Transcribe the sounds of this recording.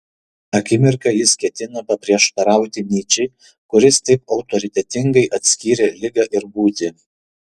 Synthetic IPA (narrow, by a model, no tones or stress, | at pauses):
ɐkʲɪmʲɪɾkɐjɪskʲɛt̪ʲɪnɐpɐpʲɾʲiɛʃt̪ɐɾɑˑʊt̪ʲɪmʲnʲiːt͡ʃʲɛɪ | kʊɾʲɪst̪ɐɪpɒʊt̪ɔɾʲɪt̪ʲɛt̪ʲɪŋɡɐɪʔɐt̪ʲsʲkʲiːɾʲelʲɪɡɐʔɪɾbuːt̪ʲɪ